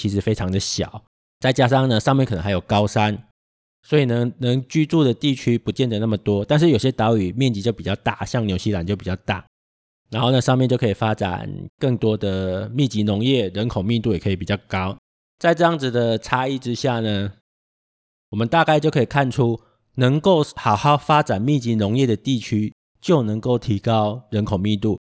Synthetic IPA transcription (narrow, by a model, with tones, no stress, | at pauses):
t͡ɕʰi˧˥ʂɻ̩˧˥fe˥ɪʈ͡ʂʰɑ˧˥ŋd̪ə˨ɕjɑ̰˨˩˦ʊ | t͡sa˥˩ɪt͡ɕja˥ʂɑ˥˩ŋnə˨ʂɑ˥˧ŋmjɛ˥˩nk̪ʰə˧˦xa˧˥jo˨˩ʊkɑ˥ʊʂa˦˥n | swɔ˧˥i˨˩nə˧˦ŋnə˧˥ŋt͡ɕy˥ʈ͡ʂu˥˩d̪ə˩t̪i˥˩t͡ɕʰy˥pu˧˦t͡ɕjɛ˥˩nd̪ə˨˩na˥˩mə˩t̪wɔ˥t̪a˥˧nʂɻ̩˥˩jo˨˩ɕjɛ˦˥t̪ɑ˧˥ʊy˨˩mjɛ˥˩nt͡ɕi˧˥t͡ɕjo˥˩ʊpi˨˩t͡ɕɑ˥˧ʊt̪a˥˩ɕjɑ˥˧ŋnjo˧˥ʊɕi˥˨la˨˦nt͡ɕjo˥˩ʊpi˨˩t͡ɕjɑ˥˧ʊt̪a̰˥˩ | na˧˥nxo˥˩ʊnə˨˩ʂɑ˥˧ŋmjɛ˥˧nt͡ɕjo˥˩ʊkʰə˧˥i˨˩fa˦˥ʈ͡ʂa̰˨˩nkə˥˩ŋt̪wɔ˥d̪ə˨mi˥˩t͡ɕi˧˥nʊ˧˥ŋjɛ˥˩ɻə˧˥nkʰo˨˩ʊmi˥˧nt̪u˥˩˨jɛ˨˩kʰɤ˧i˨pi˨˩t͡ɕjɑ˥˩ʊkɑ˦ʊ | t͡sa˥˧ɪʈ͡ʂɤ˥˧jɑ˥˩ŋd͡z̩˩d̪ə˩ʈ͡ʂʰa˥i˥˩ʈ͡ʂɻ̩˦ɕja˥˩nə˩ | wɔ˨˩mə˦nt̪a˥˧ka˥ɪt͡ɕjʊkʰə˧˥i˨˩kʰa˥˩nʈ͡ʂʰu˦˥ | nə˧˦ŋko˥˩ʊxɑ˨˩ʊxɑ˥˩ʊfa˥ʈ͡ʂa˨˩nmi˥˩t͡ɕi˧˥nʊ˧˥ŋjɛ˥˩d̪ə˩t̪i˥˨˩t͡ɕʰy˦˥ | t͡ɕjo˥˩ʊnə˧˥ŋko˥˩ʊt̪ʰi˧˥kɑ˦ʊɻə˧˦˥nkʰo˨˩ŋmi˥˧nt̪u˥˩